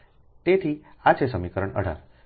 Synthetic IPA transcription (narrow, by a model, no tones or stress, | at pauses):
t̪et̪ʰi | at͡ɕesəmikəɾəɳə̰ɽ̤a̰ɾ